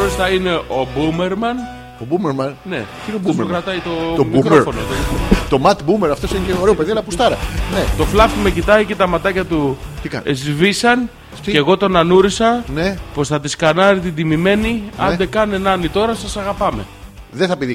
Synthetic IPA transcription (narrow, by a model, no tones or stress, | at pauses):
ost̪ɐine̞ʔo̞bume̞ɾmɐn | obumeɾmɐnne̞̰ | insokɾɐt̪ɐit̪o̞mikɾofo̞noðenot̪o̞mɐt̪bumeɾɐft̪o̞sineoɾeopeðielɐpusst̪ɐɾɐnet̪o̞flɐft̪ume̞cit̪ɐice̞t̪ɐmɐt̪ɐcɐt̪ut̪ikɐ̰nezvisɐn | ceɣo̞t̪o̞nɐnuɾisɐnepo̞sθɐðiskɐnɐɾit̪id̪imime̞niɐ̰nd̪e̞kɐnenɐnit̪o̞ɾɐsɐsɐɣɐpɐme̞̰ | ðeθɐpiði